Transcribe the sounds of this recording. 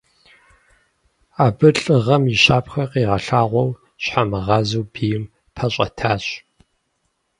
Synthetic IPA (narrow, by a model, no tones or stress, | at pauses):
aːbɨɬʼɨʁɐmiɕaːpxɐqiːʁɐɬaːʁʷɔw | ɕħamɨʁɑːzuwbiːjɪm | pʰɐɕʼɐ̰tʰaːɕ